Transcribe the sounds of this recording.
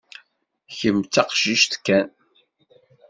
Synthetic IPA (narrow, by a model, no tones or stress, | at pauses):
çəmt͡sːɑqʃiʃt̪kːæn